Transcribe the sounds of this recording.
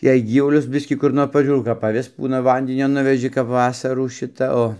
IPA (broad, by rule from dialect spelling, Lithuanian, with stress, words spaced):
jɛɪ ˈɡʲiːʋʊlʲʊs ˈbʲɪsʲkʲiː kʊr ˈnoːr pɐˈʒʲuːrɐʊ kɐp ɐˈʋʲɪs ˈbuːnɐ ˈʋɐnʲdʲɪnʲoː ˈnʊʋʲɛʒʲɪ kɐp ˈʋɑːsɐruː ˈʃʲɪtɐ ˈoː